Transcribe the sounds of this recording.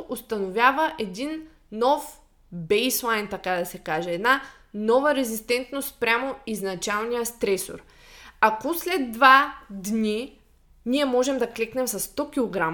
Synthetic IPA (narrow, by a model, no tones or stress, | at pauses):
ʔost̪ɐnovʲjavəʔɛd̪inː | ɔf | bɛjslˠajnt̪ɐkad̪ɐsɛkaʒɛɛːd̪na | nɔvəɾɛzist̪ɛnt̪nost̪pɾʲamoiznɐt͡ʃalˠnijəst̪ɾɛso̰ɾ | akoslɛd̪ːvad̪ni | niɛmɔʒɛmd̪ɐklɛknɛmsɐsːt̪ɔkʲilˠoɡɾam